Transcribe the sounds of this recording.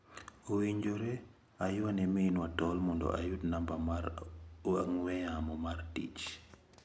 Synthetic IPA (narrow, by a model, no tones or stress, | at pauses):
owiɲd͡ʒoɾe | ajʊanɛminwatɔlmɔndɔ̰ʔa̰jutnambamaɾaŋwɛamɔmartḭt͡ʃ